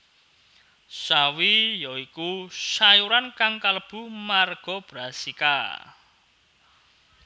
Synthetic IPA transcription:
sawijɔikuʃajuɾankaŋkaləb̥ṳmarɡ̥ɔb̥ɾasika̰

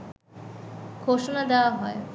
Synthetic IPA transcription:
kʰoʃonad̪ɛwaɦɔe

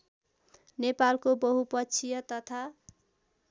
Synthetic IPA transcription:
nepalkobʌɦupʌt͡sʰijʌt̪ʌt̪ʰa

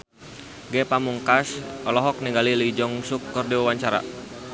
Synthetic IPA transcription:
ɡɛpamuŋkasʔɔlɔɦɔk̚niŋɡalilid͡ʒɔŋsukːərdiwawaɲt͡ʃaɾa̰

